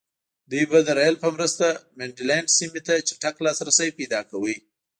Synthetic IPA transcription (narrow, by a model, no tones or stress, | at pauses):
d̪ujbad̪əɾajlpəmɾəst̪ameɳɖilaɳɖsimet̪at͡ʃaʈaklɑsɾasajpejd̪ɑkawi